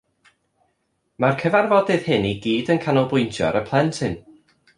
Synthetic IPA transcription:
markʰəvarvɔdɪð̥hɪniɡiːdənkʰanɔlˠbʊjntʰjɔ̰ɾəpʰlˠɛntʰhɪn

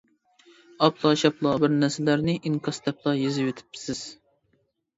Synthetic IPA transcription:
ɑpʰlˠɑʃɑplˠɑːbɪɾnæsɪlæɾnɪʔiŋqʰɑst̪ʰɛpʰlˠɑːjezɪwet̪ʰɪ̥pʰːsɪz̥

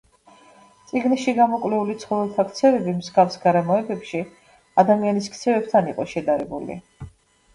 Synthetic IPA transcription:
t̪sʼiɡniʃiɡamɔkʼlɛulit̪sʰχɔvɛlˠt̪ʰakʰt̪sʰɛvɛbimzɡavsɡaɾɛmɔɛbɛpʃi | ad̪amianiskʰt̪sʰɛvɛp̚t̪ʰaniqʼɔʃɛd̪aɾɛbṵlḭ

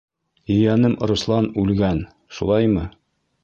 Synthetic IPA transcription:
jɵ̆jænɘm̆ɾŭslˠɑnʉlɡæn | ʃulˠɑjmɤ

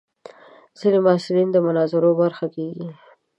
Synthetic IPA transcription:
z̥ilimɑsɪlind̪əmʊnɑzɪɾobaɾxakeɡi

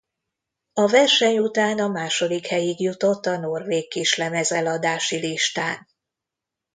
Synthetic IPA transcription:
ɒvɛrʃɛɲut̪aːnɒmaːʃo̞d̪ikhɛjiɡjut̪o̞t̪ːɒno̞rveːkːiʃlɛmɛzɛlɒd̪aːʃiliʃt̪aːn

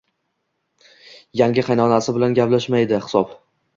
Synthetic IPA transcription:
jaŋɡʲɪqʰɑjnɒnasɪbɪlanɡʲaplaʃmajd̪ɪhɪ̥sɒp

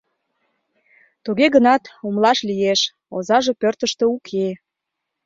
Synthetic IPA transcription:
t̪uɣeɣənɑt̪umlɑʃlijeʃ | ozɑʒe̽pørt̪əʃt̪əukʰe

